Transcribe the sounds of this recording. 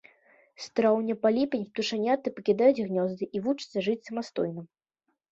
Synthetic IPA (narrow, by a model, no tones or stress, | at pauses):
st̪ɾawnʲɐpalʲipʲɐnʲt̪uʂanʲat̪ːɨpɐkʲid̪ajud͡zʲɣnʲɔzd̪ɨʔivut͡ʂɨt̪sːɐʐɨt͡sʲsɐmast̪ɔjnɨm